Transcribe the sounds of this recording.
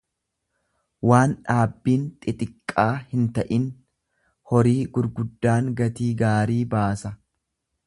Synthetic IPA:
waːnᶑaːbːiːnt̪ʼɪt̪ʼɪkʼːaːhɪnt̪ɐʔɪn | hɔɾiːɡʊɾɡʊd̪ːaːŋɡɐt̪iːɡaːɾiːbaːsɐ

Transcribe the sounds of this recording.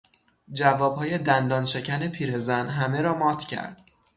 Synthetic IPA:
d͡ʒævɒːb̥hɒːje̞d̪ænd̪ɒːnʃe̞cʰæne̞pʰiːɾe̞zænɦæme̞ɾɒːmɒːt̪ʰcʰæ̰ɾd̪̥

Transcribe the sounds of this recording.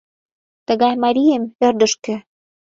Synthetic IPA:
t̪ə̆ɣɑjmɑɾʲijemĕrd̪ə̆ʃkɘ̆

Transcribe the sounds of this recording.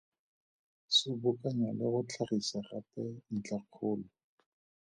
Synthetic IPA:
sɪbʊkʼaɲalɪχʊt͡ɬʰaχisaχapɛn̩t͡ɬaq͡χʰʊːlɔ

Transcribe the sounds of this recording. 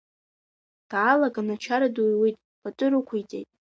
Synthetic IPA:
d̥aːlakʼanat͡ʃʰaɾadujwejtʼ | pʰatʼʊɾɨkʷʰʊjt͡sʼejtʼ

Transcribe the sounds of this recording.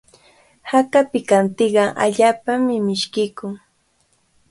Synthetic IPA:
hakapɪkant̪ɪɢɑʔa̰ʎaːpamɪmɪʃkɪkʊŋ

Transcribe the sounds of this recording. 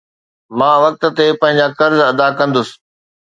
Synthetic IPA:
mãːʋɐk̚t̪̆t̪epɐ̃ɦɪ̃ɲ̆d͡ʑakɐɾzɐd̪akɐ̃nd̪ʊsɪ̥̆

